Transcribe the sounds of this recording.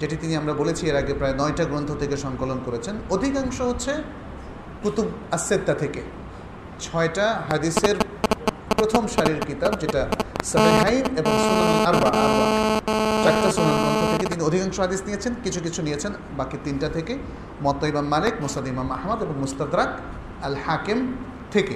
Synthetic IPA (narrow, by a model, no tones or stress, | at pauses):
d͡ʑeʈit̪iniamɾabolet͡ɕʰieɾaɡepɾaenɔeʈaɡɾont̪ʰot̪ʰekeʃɔŋkolonkoɾet͡ɕʰenod̪ʱikaŋʃoɦotːɕʰe | kut̪ubɐsːed̪ːat̪ʰeke | t͡ɕʰɔeʈaɦad̪iseɾ | pɾot̪ʰomʃaɾiɾkit̪ab̚d͡ʑeʈasɐfeɦajneboŋsunanaaɾbaʔaɾba | t͡ɕakʈasunanemɔd̪ʱot̪ʰeket̪iniod̪ʱikaŋʃoɦad̪isnijet͡ɕʰenkit͡ɕʰuk̬it͡ɕʰunijet͡ɕʰen | bakit̪inʈat̪ʰeke | mɔt̪ːoimamːalekmosad̪imamahmad̪eboŋmust̪ad̪ɾak | ɐlhakem | t̪ʰeke